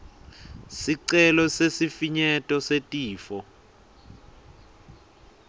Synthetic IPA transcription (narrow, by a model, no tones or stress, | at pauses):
siǀɛlɔsesifiɲɛtʼɔsetʼiːfɔ